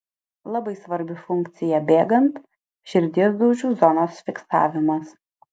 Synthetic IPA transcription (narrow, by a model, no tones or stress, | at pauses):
lˠɐbɐɪsʋɐɾʲbʲɪfʊŋʲkt̪sʲɪjɛbʲeːɡɐnt̪ | ʃʲɪɾʲd̪ʲeːzd̪oʊʒʲuːzɔnoːsfʲɪksɑ̰ːʋʲɪmɐs